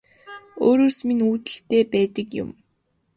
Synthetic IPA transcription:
oːɾoːsminuːt̪ɘ̆ɬt̪eːpæːt̪ə̆kjʊ̰m

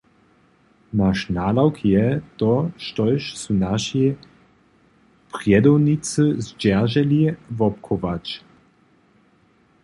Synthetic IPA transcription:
naʃnalawkʰjɛt̪ɔʃt̪ɔjʃsunaʃi | pʁjɛd̪ɔwnit͡səzd͡ʒɛʁʒɛlivɔp̚kʰɔvat͡ʃ

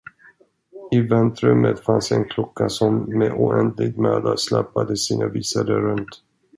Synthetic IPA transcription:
ɪvɛnt̪ɾɵmət̪fansɛnkʰlɔkːasɔmːeʔʊʔɛnd̪lɪɡ̚t̪mœːd̪aslɛpːad̪əsiːnaviːsaɾəɾɵnt̪

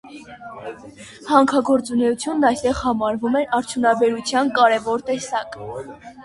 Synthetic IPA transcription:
hɑŋkʰɑɡɔɾt͡sunɛjut͡sʰjunːɑjst̪ɛʁhɑmɑɾvumɛɾɑɾt͡sʰjunɑbɛɾut͡sʰjɑnkɑɾɛvɔɾt̪ɛsɑk

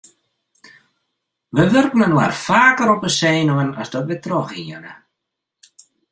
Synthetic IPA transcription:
ʋəʋʏrknənwa̰rfaːkəɾɔpəseːnəwəna̰sdɔtʋɪtrɔχiənə̰

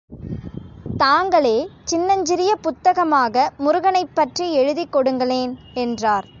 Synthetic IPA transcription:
t̪aːŋɡɐɭeːt͡ʃɪnːɐɲd͡ʒɪɾɪjɐpʊt̪ːɐɣɐmaːɣɐmʊɾʊɣɐɳɐɪpːɐʈriɛɻɯðikːɔɽɯŋɡɐɭeːn | ɛndraːɾ

